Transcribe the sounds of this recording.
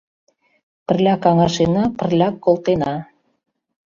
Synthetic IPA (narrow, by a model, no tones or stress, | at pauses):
pə̆rlʲɑkɑŋɑʃenɑpə̆rlʲɑkːolˠt̪enɑ